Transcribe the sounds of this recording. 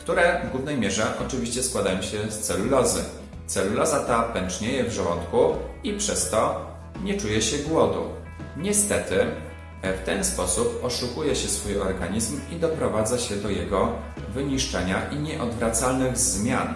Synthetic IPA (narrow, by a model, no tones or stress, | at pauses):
kt̪uɾɛvɡwuvnɛjmʲjɛʐɛʔɔt͡ʂɘvʲiɕt͡ɕɛskwad̪ajɔ̃w̃ɕɛst̪sɛlulɔzɘ̰ | t̪sɛlulɔzat̪apɛnt͡ʂɲɛjɛvʐɛwɔnt̪kuipʂɛst̪ɔ | ɲɛt͡ʂujɛɕɛɡwɔd̪ṵ | ɲɛst̪ɛt̪ɘ | ft̪ɛnspɔsupɔʂukujɛɕɛsfujɔɾɡaɲizmid̪ɔpɾɔvad̪zaɕɛd̪ɔjɛɡɔ | vɘɲiʂt͡ʂɛɲaʔiɲɛʔɔd̪vɾat̪salnɘɣzmʲjan